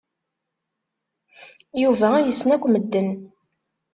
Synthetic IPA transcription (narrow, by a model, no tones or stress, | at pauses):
juvææjəsːnækʷːməd̪ːən